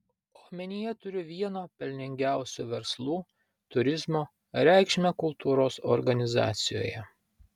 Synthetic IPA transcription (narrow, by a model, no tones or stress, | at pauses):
oːxmʲɛnʲɪjɛt̪ʊɾʲɪʋʲiɛnoːpʲɛlʲnʲɪŋʲɡʲæˑʊsʲuːʋʲɛɾslˠuː | t̪ʊɾʲɪzmoː | ɾʲæˑɪkʃʲmʲɛkʊlˠt̪ʰuːɾoːsɔ̰ɾɡɐnʲɪzɑ̰ːt̪sʲɪjo̰ːjɛ